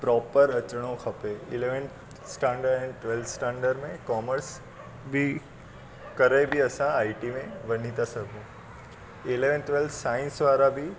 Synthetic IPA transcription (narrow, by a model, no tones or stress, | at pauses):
pɾɔːpəɾət͡ʃɽ̃õkʰɐpeɪleʋən | sʈãːɳɖəɾɛ̃ɳʈʋelt̪sʈãːɳɖəɾmẽkɔːməɾs | bʱi | kəɾejbʱiəsãaːiʈimẽʋən̤it̪asəɡũ | ɪleʋənt̪ʋelt̪saːɪ̃nsʋaːɾabʱi